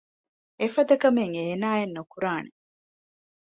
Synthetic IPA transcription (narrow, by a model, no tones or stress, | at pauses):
efɐd̪ɐkɐmeŋeːnaːenːukuɾaːne